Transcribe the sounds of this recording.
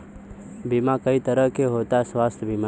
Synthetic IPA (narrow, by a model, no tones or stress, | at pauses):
bimãkəit̪əɾəɦkeɦot̪asʋaːst̪ʰbima